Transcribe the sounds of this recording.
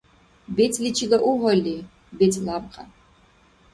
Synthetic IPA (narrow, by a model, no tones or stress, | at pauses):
betʰlit͡ʃʰilɐʔuʁʷɔli | betʰlab̚qʰʼɐ̰